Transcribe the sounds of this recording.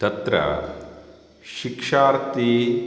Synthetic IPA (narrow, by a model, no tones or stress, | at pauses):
t̪ɐt̪ɾɐ̰ | ʃikʂaːɾt̪i